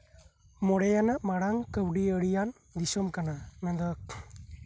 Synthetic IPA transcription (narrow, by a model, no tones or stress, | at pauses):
mɔɽɛjanaʔmaɽaŋkəwɖiəɽijan | d̪isɔmkananad̪ɔk